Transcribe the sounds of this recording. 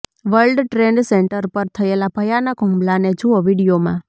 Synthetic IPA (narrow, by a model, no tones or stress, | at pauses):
ʋəɾlɖʈɾeɳɖseɳʈəɾpəɾt̪ʰəelabʱəjanəkɦʊ̃mblaned͡ʒuəʋiɽijomã̰